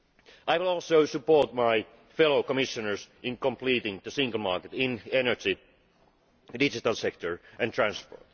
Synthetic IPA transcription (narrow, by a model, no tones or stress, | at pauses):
ʔaɪʋɪlˠɔˑlˠsoʊsɨpoɹt̪̚maɪ | fɛloʊkɔmɪʃə̃nə˞sɪ̃nkə̃mpliːtɪ̃ŋðəsɪ̃ŋɡəl̩ˠmɑɹket̪ɪ̃nenə˞d͡ʒi | dɪd͡ʒɪt̪alˠsɛk̚t̪əɹʔæ̃nt̪ʰɹæ̃nspo̰ɹt̪